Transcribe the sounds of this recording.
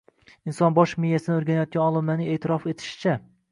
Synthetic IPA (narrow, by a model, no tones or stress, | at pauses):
insɒnbɒʃmijːasɪnɪoɾɡʲanajɒt̪̚kʲanɒlˠɪmlanɪeːt̪ʰɪɾɒfe̞t̪ʰɪ̥ʃɪ̥t͡ʃʰa